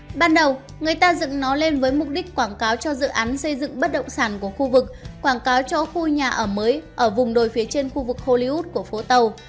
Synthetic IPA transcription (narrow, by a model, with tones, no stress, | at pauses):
ɓaː˧nɗə˨˩w | ŋɨ˨˩əjt̪aː˧zɨ̰˧˨ŋnɔ˨˦le˧nvəː˨˦jmʊ˨˩k͡p̚ɗi˦˥k̟̚kwaː˧˩ŋkaː˨˦wt͡ɕɔ˧zɨ̰˧˨ʔaː˨˦nsə˧jzɨ̰˧˨ŋɓə˦˥t̚ɗə̰˧˨ŋ͡msaː˧˩nku˧˩əxu˧vɨ˨˩k̚kwaː˧˩nkaː˨˦wt͡ɕɔ˧xu˧ɲaː˨˩ʔəː˧˩məː˨˦jʔəː˧˩vʊ˨˩ŋ͡mɗo˨˩jfi˨˦ət͡ɕe˧nxu˧vɨ˨˩k̚ho˧li˧u˦˥t̚ku˧˩əfo˨˦t̪ə˨˩w